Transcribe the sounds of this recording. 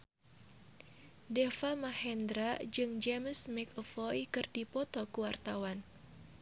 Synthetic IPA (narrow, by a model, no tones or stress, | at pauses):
dɛfamahɛnd̪ɾad͡ʒɨŋd͡ʒɛməsmɛkɔfɔjkɨrdipɔt̪ɔkuwart̪awan